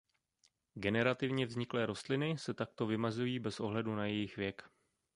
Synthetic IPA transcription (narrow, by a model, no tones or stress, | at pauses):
ɡɛnɛɾat̪ɪvɲɛvzɲɪklɛːɾo̞st̪lɪnɪsɛt̪ak̚t̪o̞vɪmazujiːbɛsʔo̞ɦlɛdunajɛjɪxvjɛk